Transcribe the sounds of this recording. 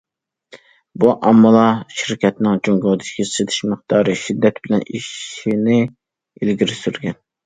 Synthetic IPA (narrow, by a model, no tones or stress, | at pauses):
buʔɑmːɨlˠɑʃiɾkʲʰɛt̪nɪŋd͡ʒoŋɡold̪ɪ̥kʲʰiset̪ʰɪ̥ʃmɨχt̪ɑːɾɨʃid̪ːɛt̪bɪlɛniʃinɪ | elɡʲiɾɪsyɾɡʲɛn